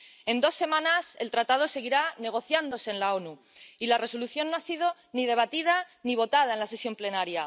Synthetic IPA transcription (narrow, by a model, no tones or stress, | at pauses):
e̞nd̪o̞sːe̞mãnase̞lt̪ɾat̪að̞o̞se̞ɣ̞iɾane̞ɣ̞o̞θjand̪o̞se̞ːnlao̞nu | ilare̞so̞luθjo̞nːoasið̞o̞ | niðe̞β̞at̪ið̞aniβ̞o̞t̪að̞ae̞nlase̞sjo̞mple̞naɾja